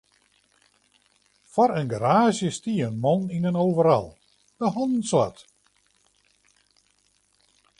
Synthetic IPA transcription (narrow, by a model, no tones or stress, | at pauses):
fɔɾənɡaɾaːzjəstiənmɔninənoːvəɾɔ̰lˠ | dəhɔnn̩swa̰t